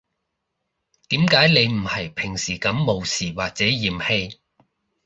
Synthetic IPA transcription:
t̪iː˨˥mkaː˨˥jne˨˧jm̩˨˩hɐ˨˩jpʰɪ˨˩ŋsiː˨˩kɐ˨˥mːo˨˧wsiː˨˩waː˨k̚t͡sɛː˨˥jiː˨mhe˧j

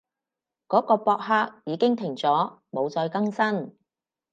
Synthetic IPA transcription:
kɔː˨˥kɔː˧pɔː˧k̚ɦaː˧k̚jiː˨˧˥kɪ˥ŋt̪ʰɪ˨˩ŋt͡sɔː˨˥ | mo˨˧wt͡sɔː˧jkɐ˥ŋsɐ˥n

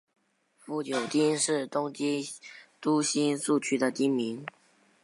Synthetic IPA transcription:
fu˥˩t͡ɕjo˨˩ʊt̪i˥nʂɻ̩˥˩t̪ʊ˥ŋt͡ɕi˥t̪u˥ɕi˥nsu˥˩t͡ɕʰy˥d̪ə˨t̪i˥nmi˧˥ŋ

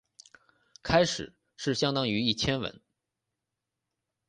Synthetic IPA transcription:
kʰa˥ɪʂɻ̩̰˨˩˦ | ʂɻ̩˥˩ɕjɑ˥ŋt̪ɑ˥ŋy˧˥i˥˩t͡ɕʰjɛ˥nwə̰˧˥n

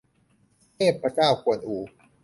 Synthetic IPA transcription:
eː˥˩pːɾa˧t͡ɕaː˥˩wku˨˩ə˦nʔuː˨˩˦

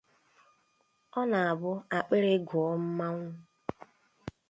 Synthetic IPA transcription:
ɔ˦na˨a˨bʊ˦a˨k͡pe˦ɾe˦ɡʊ˨ɔ˦m̩˦ma˦ŋʷʊ˦

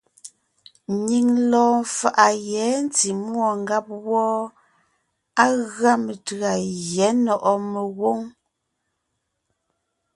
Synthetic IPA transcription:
ɲi˨ŋlɔː˨˦fa˨ʔa˨jɛ˨˦n˦ti˨mwɔ˨ŋ˦ɡa˦p̚wɔː˦ | a˦ɣa˦mə˨ta˨ɣjɛ˨˦nɔ˨ʔɔ˦mə˨ɣwo˦ŋ

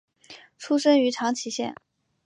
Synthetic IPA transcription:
ʈ͡ʂʰu˥ʂə˥ŋy˧˥ʈ͡ʂʰɑ˧˥ŋt͡ɕʰi˧˥ɕjɛ̰˥˩n

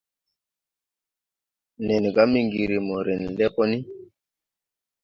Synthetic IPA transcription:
ne˨n˨ɡa˦mi˦ŋɡi˨ɾi˨mo˨ɾe˨nle˦ko˦ni˦

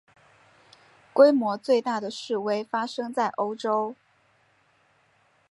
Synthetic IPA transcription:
kwe˥ɪmwɔ˧˥t͡swe˥˧ɪt̪a˥˩d̪ə˩ʂɻ̩˥˩we˥ɪfa˥ʂɤ˥ŋt͡sa˥˩ɪʔo˥ʊʈ͡ʂo˥ʊ

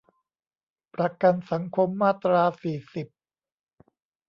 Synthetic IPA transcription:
pɾa˧ka˧nsa˩˦ŋkʰo˧mːaː˥˩t̪ɾaː˧siː˨˩si˨˩p̚

